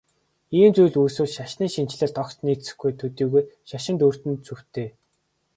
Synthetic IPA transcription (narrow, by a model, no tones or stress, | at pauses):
iːmt͡sujɮuːsuːɮʃaʃniːʃin̥t͡ɕɮɘ̆ɮt̪ɔkt͡ɕniːsɘ̥̆xɡujt̪ʰɵt̪iːɣujʃaʃɪ̆nt̪ur̥t̪ɘ̆nt͡sɵw̥t̪ʰeː